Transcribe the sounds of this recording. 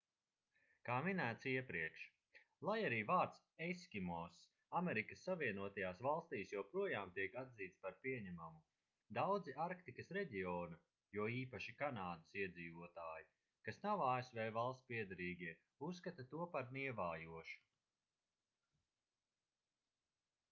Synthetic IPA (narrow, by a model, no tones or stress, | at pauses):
kaːminæːt̪siɛpɾiɛkʃ | lˠajaɾiːvaːɾt̪s | ɛskʲimɔs | ameɾikəsːaviɛnuɔt̪ajaːsvalˠst̪iːsjawpɾuɔjaːmt̪iɛkad̪ziːt̪spaɾpiɛɲæmamu | d̪awd̪ziʔaɾkt̪ikɐsɾɛɟiɔːnu | juɔiːpaʃikanaːd̪əsiɛd̪ziːvuɔt̪aːji | kasnawaːesvɛːvalˠst̪piɛd̪aɾiːɡʲiɛ | usːkat̪at̪uɔpaɾniɛvaːjuɔʃu̥